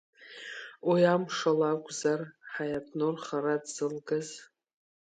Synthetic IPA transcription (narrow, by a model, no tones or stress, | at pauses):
wiamʂalakʷʼzarħajatʰnorχaɾadz̥ɨlɡaz